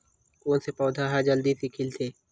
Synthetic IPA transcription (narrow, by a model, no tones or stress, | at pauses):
oːnsepɔːd̪ʱaɦad͡ʒɐld̪isɪkʰɪlt̪ʰeː